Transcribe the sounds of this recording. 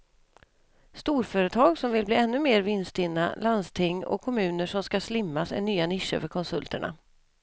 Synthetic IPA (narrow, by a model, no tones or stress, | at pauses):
st̪uːɾfœːɾət̪ʰɑːɡsɔmvɪlbliːɛnːɵmeːɾvɪnst̪ɪnːa̰land̪st̪ʰɪŋːɔ̰kʰːɔmʉ̟ːnəʂɔmskaslɪmːasɛ̰nyːanɪʂːə̰fœɾkʰɔnsɵlt̪əɳa̰